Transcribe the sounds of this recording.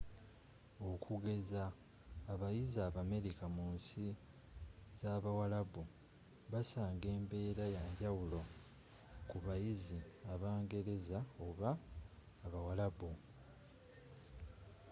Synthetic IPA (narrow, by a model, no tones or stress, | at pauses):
o̞kʰuɡe̞zaː | βajizaβame̞ɾikamuːnsi | zaːβawalaβu | βasaːŋɡe̞ːmbe̞ːɾajaɲɟawulo̞ | kuβajiziaβaːŋɡe̞ɾe̞zaoβaː | βawalaβu